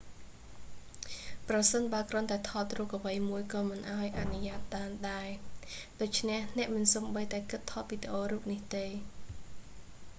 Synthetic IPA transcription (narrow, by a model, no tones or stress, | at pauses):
prɑsənɓaəlkrŏənt̪aɛt̪ʰɑːt̪̚ruːək̚ʔəʋəjmuəjkɑːmɨnʔaɔjʔanuɲaːt̪̚ɗaːnɗaɛɗoːc̚t͡ɕʰnehnɛ̆əʔmɨnsoːmɓəjt̪aɛkɨt̪ʰːɑːt̪̚ʋiːd̪eʔoːruːk̚niht̪eː